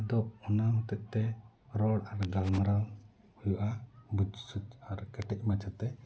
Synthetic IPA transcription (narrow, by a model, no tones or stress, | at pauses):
d̪ɔp̚ɔnamɔt̪ɛʔ̚t̪ɛ | ɾɔɽaɾɡalmɾal | hujuʔabud͡ʒsut͡ʃaɾkɛʈɛc̚ˀmat͡ʃʰat̪ɛ